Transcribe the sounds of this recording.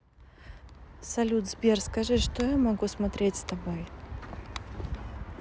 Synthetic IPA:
sɐlʲud̪zbʲerskɐʐɨʂt̪ɔjamɐɡusmat̪ɾʲetʲst̪ɐbɔj

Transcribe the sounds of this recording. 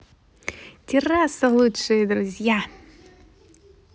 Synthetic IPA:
tʲirasɐlˠutʂɨjd̪ɾʊzʲja

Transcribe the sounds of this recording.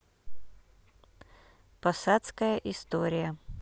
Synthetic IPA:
pɐsat̪skəjəʔɪst̪oɾʲɪjə

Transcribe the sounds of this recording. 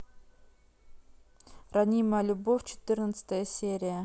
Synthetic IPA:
rɐnʲiməlʲubofʲt͡ʃɪ̥t̪ɨrnət̪sə̥t̪əjəsʲeɾʲɪjə

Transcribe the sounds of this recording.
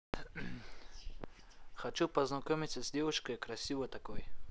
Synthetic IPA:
xɐt͡ʃupəznɐkomʲɪt̪ʲsʲəzʲdʲevʊʂkəjkɾɐsʲivət̪ɐkoj

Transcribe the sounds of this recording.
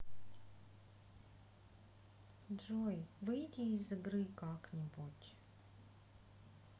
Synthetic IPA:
dʐojvɨjtʲɪːzɨɡɾɨkaknʲɪbutʲ

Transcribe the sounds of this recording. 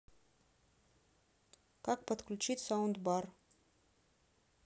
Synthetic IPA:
kak̚pət̪klut͡ɕit̪saund̪bar

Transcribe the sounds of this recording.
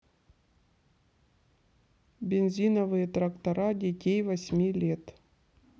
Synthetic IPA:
bʲɪnzʲinəvɨjət̪ɾɐkt̪ɐɾadʲɪtʲejvɐsʲmʲilʲet̪

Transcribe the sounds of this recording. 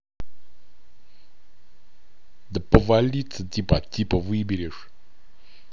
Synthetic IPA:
d̪əpəvalʲit͡sɨt̪ʲipatʲipəvɨbʲeɾʲeʂ

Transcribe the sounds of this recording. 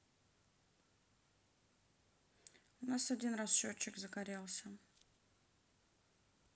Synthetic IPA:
ʊnasɐdʲinrasɕot͡ɕːɪkzəɡɐɾʲelˠsʲə

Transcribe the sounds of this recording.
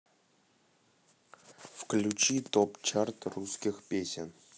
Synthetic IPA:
fklʲut͡ɕit̪opt͡ɕart̪ruskʲixpʲesʲɪn

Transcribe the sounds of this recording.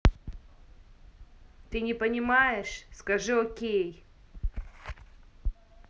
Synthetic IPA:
t̪ɨnʲɪpənʲɪmajɪʂskɐʐɨokʲej

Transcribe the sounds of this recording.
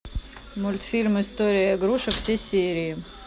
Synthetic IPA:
mʊlʲt̪fʲilʲmɨɪst̪oɾʲɪjəɐɡɾuʂɨfsʲesʲeɾʲɪː

